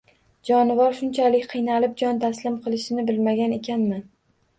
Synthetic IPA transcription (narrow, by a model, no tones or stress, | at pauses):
d͡ʒɒnɪvɒɾʃʊnt͡ʃʰalɪkʲqʰɨjnalɪp̚d͡ʒɒnt̪ʰaslɪmqʰɨlˠɪʃɪnɪbɪlmaɡʲane̞kʲʰanmɪ